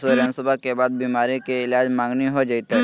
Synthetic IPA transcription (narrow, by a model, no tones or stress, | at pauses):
soɾə̃nsʊbakebaːd̪̚biːmaːɾikeɪlaːd͡ʒmãːŋɡniɦod͡ʒait̪ɦɛ